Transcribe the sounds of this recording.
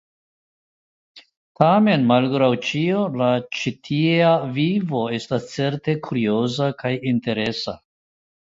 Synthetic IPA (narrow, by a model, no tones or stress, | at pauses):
tame̞nmalɡɾawt͡ʃiolat͡ʃitʰiavivo̞e̞stast͡se̞ɾte̞kʰuɾio̞zakʰajinte̞ɾe̞sa